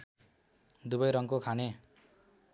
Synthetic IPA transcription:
d̪ubʌjɾʌŋkokʰane

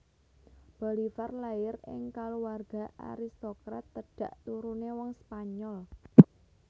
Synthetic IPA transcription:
b̥o̤lifarlajɪɾɪ̰ŋkaluwarɡ̥a̤ʔa̰ɾist̪okɾat̪ːəɖ̥a̤ʔt̪uɾunewɔŋspaɲɔl

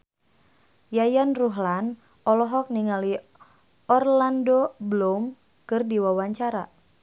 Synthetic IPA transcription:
jajanruɦlan | ɔlɔɦɔk̚niŋali | ɔrlandoblom | kɨrdiwawaɲt͡ʃaɾa

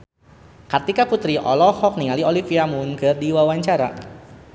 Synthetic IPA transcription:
kart̪ikaput̪ɾiʔɔ̰lɔhɔk̚niŋaliolifiamunkɨrdiwawaɲt͡ʃaɾa̰

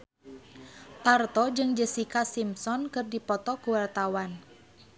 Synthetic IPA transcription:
t̪art̪ɔd͡ʒɨŋd͡ʒəsikasimsɔnkɨrdipɔt̪ɔkuwart̪awan

